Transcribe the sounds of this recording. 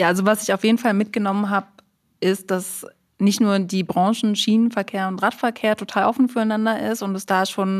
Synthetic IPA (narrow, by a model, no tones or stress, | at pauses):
jaːʔalzovasɪçaʊfjeːdn̩falmɪt̚ɡ̥ənɔmənɦaːp̚ | ʔɪst̚d̥as | nɪçtnuːɐdiːbʁɑ̃ŋʃn̩ʃiːnənfɛɐkʰeːɐʊntʁatfɛɐkʰeːɐtʰotʰaːlʔɔfn̩fyːɐaɪnandɐʔɪstʊntɛsd̥aːʃoːn